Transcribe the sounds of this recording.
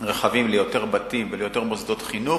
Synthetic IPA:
ʁeχavimlejo̞te̞ʁbat̪imvelejo̞t̪e̞ʁmozd̪ot̪χinu

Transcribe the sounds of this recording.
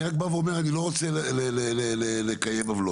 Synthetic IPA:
ak̚baveomeʁanilo̞ʁot͡selelelelelekajevavlo

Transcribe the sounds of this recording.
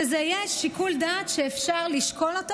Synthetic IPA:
ezeajaʃikuldaːt̪ʃeːfʃaʁliʃko̞lot̪

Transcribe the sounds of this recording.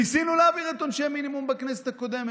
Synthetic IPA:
isinulaviʁet̪onʃejminimumbakneset̪ako̞d̪em

